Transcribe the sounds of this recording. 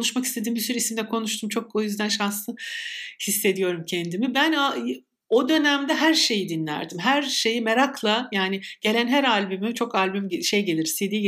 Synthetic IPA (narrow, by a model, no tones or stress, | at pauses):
kʰonuʃmakist̪ʰe̞d̪imbisyɾiisimd̪ɛkʰo̞nuʃt̪ʰumt͡ʃʰo̞k̚ojyzd̪ænʃanslˠɯhisːe̞d̪ijo̞ɾumcʰɛnd̪imibæna | o̞d̪ø̞næmd̪ɛɦæɾʃe̞jid̪inlʲæ̰ɾd̪imɦæɾʃe̞jimeɾakʰlˠajaːnɪɟ̥e̞lʲænɦæɾalʲbymit͡ʃʰo̞kalʲbymʃe̞jɟe̞lʲiɾsed̪iː